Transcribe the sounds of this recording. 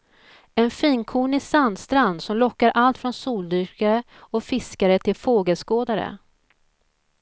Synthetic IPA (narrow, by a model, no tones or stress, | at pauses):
ɛnfiːnkʰuːɳɪsand̪st̪ɾand̪sɔmlɔkːaɾʔalt̪fɾɔnsuːld̪ʏɾkaɾə | ɔfɪskaɾət̪ʰɪlfoːɡəlskoːd̪aɾə̰